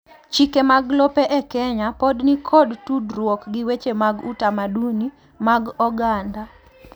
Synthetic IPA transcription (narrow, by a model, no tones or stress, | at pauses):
t͡ʃikemaɡlopeʔɛkɛɲapɔdnikʰɔdtudɾwɔkɡɪwet͡ʃemaɡutamaduni | maɡɔɡanda